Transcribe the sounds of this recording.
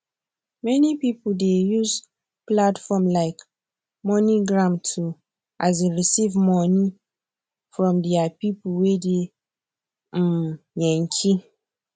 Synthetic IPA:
mɛnipipudejuz | platfɔmlaɪk | mɔ̃niɡɹãmtʰu | ʔaz̬eɹisivmɔ̃ni | fɹɔ̃mdɛapipwede | m̩jɛ̃ŋkʰi

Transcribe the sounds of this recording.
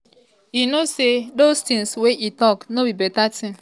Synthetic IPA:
inosedostɪ̃ŋsweʔitɔknobibɛtatĩm

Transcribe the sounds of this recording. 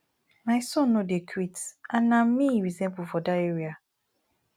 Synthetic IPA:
maɪsɔ̃nːodekʰɾitãnːãm̩mːĩɹizɛ̃mbufɔdaeɹia

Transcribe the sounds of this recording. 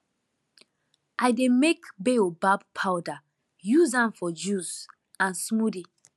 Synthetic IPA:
ʔajdemekbeobab̚pʰawda | juzãmfɔd͡ʒuz | ãnsmudi

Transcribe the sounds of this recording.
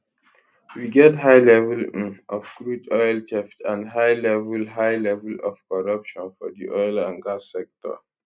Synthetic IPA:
wiɡɛtɦaɪlɛvəlʔɔfɡ̥ɹutʰɔɪlt͡ʃʰɛftãnɦaɪlɛvəlɦaɪlɛvəlɔfkɔɹʌpʃɔ̃nfɔdiʔɔɪlãnɡasːɛk̚tɔ̰

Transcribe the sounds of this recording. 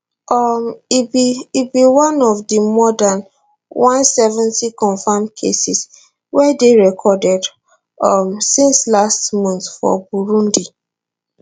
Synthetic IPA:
ɔmbiibiwãnɔvdimɔdãn | wãnsɛvɛ̃ntikɔ̃nfamkʰesis | wɛdeɹɛkʰɔdɛd | ʌmsĩnslastmɔ̃ntfɔ̰buɹũndi

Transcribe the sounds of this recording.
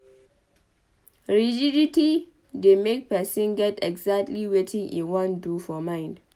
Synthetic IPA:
ɹid͡ʒiditi | demek̚pɛsɪ̃nɡɛtɛɡzak̚tliwetʰɪ̃ŋʔḭwɔ̃ndufɔmaɪ̃nd

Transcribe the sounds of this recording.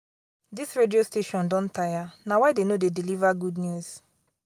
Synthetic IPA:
disɹediosteʃɔ̃ndɔ̃ntajanawadenodedilivaɡudnjuz

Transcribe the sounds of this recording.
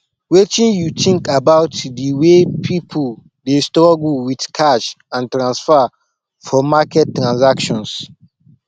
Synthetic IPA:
wet͡ʃĩnjutʰĩŋkabaʊtdəwepʰipʰə | destɹɔɡuwidkʰaʃ | ãntɾãnsfa | fɔmakɛt̚tːɾãnsakʃɔ̃ns

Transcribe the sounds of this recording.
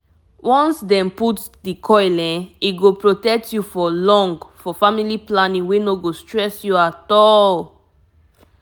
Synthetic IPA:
wɔ̃nsdɛ̃mputs | dikʰɔjlɛ̃niɡopɹotɛk̚tjufɔlɔ̃ŋɡfɔfamiliplanĩŋwenoɡostɹɛsjuatɔl

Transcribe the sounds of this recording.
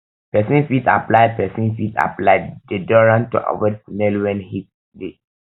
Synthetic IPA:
pɛsĩnfita̰plaɪd̚pɛsĩnfita̰plaɪdedɔɹãntṵʔa̰wɔd̚fnɛlwɛ̃nhit̚ | de

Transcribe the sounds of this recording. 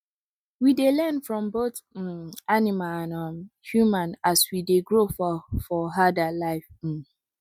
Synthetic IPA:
widelɛnfɹɔ̃mboθ | animaanahjumãnaswideɡɹofɔfɔɦadalaɪf̩

